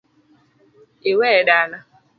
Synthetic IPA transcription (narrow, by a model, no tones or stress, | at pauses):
eweɖana